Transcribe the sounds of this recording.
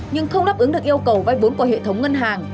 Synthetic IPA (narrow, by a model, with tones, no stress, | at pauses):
ɲɨ˧ŋxə˧wŋ͡mɗa˦˥p̚ʔɨ˨˦ŋɗɨ˨˩ək̚ʔəwkə˨˩wvaː˨˧˩jɓo˨˦nkɔ˧˩ɦḛ˧˨t̪ʰə˨˦wŋ͡mŋə˧nɦaː˨˩ŋ